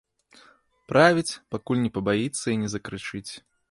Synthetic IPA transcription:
pɾavʲit͡sʲpakulʲnʲɛpɐbajit̪sːɐinʲɛzɐkɾɨt͡ʂɨt͡sʲ

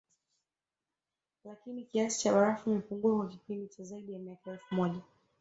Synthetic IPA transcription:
lakinikiasi̥t͡ʃaɓaɾafumɛpuŋɡuakwak̬ipindit͡ʃazaiɗijamiakaɛlfumɔʄa

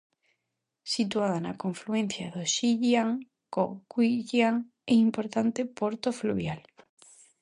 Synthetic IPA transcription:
sit̪uaðana̰koɱfluen̟θjaðoʃiʎjaŋ | kokwiʎjaŋ | ɛimpoɾt̪ant̪epoɾt̪ofluβjal

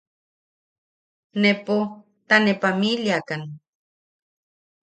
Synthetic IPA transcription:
nepo | t̪anepamiljakan

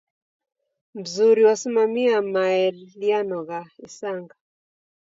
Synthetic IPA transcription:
m̩zuɾiwasimamiamaɛlianɔɣaisaŋɡa

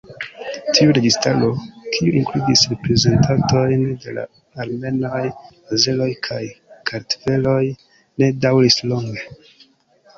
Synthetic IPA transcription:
tʰiuɾe̞ɡistaɾo̞kʰiuʔiŋkludisɾe̞pɾe̞ze̞ntʰato̞jnde̞la̰ | aɾme̞no̞j | aze̞lo̞jkʰajkʰaɾtve̞lo̞j | ne̞dawɾislo̞ŋɡe̞

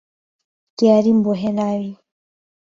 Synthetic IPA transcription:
kiaɾimbɔɦɛnawi

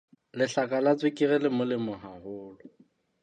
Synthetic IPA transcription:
lɪɬakʼalat͡sʼwɪkʼirɛlɪmʊlɪmʊɦahʊːlɔ

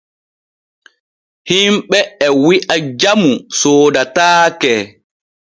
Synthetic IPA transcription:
himɓɛɛwiʔad͡ʒamusoːdataːkɛ

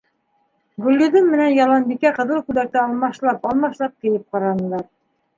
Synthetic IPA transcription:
ɡɵ̆lʲːɵðɘnmɘ̆nænjɑlˠɑnbikæqɤ̆ðɤlˠkʉlæɾ̚t̪æɑlˠmɑʃlˠɑpɑlˠmɑʃlˠɑp̚kɘ̆jɘp̚qɑɾɑnɤ̆lˠɑɾ

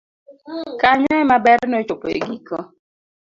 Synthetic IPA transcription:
kaɲaɛmabɛɾnot͡ʃopoḛɡikɔ

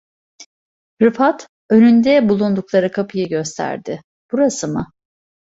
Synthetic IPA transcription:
ɾɯfat̪ | ø̞nynd̪ɛbulˠund̪uklˠaɾɯkʰapʰɯjɯɟøst̪ʰæ̰ɾd̪ɪ | b̥uɾasɯmɯ

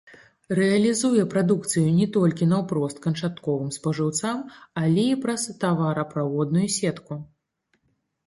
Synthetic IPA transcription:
rɛɐlʲizujɛpɾad̪ukt̪sɨjunʲɛt̪ɔlʲkʲinɐwpɾɔst̪̚kɐnt͡ʂat̪kɔvɨmspɐʐɨwt̪samɐlʲɛipɾɐst̪avaɾɐpɾavɔd̪nujusʲɛt̪ku

